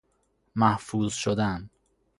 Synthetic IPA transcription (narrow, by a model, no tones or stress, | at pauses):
mæhfuːzʃod̪æn